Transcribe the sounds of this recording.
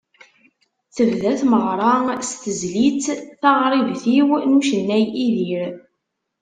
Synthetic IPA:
θəvðæθməʁɾˤɑst̪əzlit͡sθɑʁɾˤivθiwnuʃənːæjiðiɾ

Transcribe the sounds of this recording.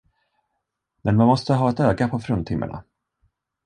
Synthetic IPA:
mɛnmanmɔst̪əɦɑːɛt̪øːɡapʰɔfɾɵnt̪ʰɪmːə̰ɳa̰

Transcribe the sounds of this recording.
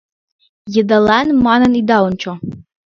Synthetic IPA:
jɪdalanmananid̪awnt͡ʃʰa

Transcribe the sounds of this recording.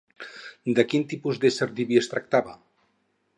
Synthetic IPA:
d̪əkint̪ipuzd̪eseɾd̪iβiest̪ɾak̚t̪aβə

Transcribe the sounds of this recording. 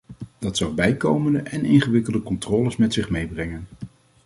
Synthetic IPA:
d̥ɑtsɑwbɛjkowməndəʔɛnɪŋχəʋɪkəlˠdəkɔntrɔːləsmɛtsɪχmejbrɛŋən

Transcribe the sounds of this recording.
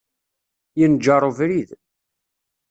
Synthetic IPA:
jənd͡ʒɑɾˤovɾið

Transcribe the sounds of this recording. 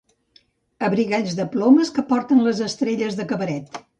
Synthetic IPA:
əβɾiɣaʎʲzðəplɔməskəpɔɾt̪ənləzəst̪ɾeʎəzðəkəβəɾɛt̪

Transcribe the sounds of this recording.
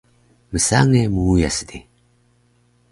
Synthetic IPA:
mɨsa̰ŋemuːjasɨ̥d̪i

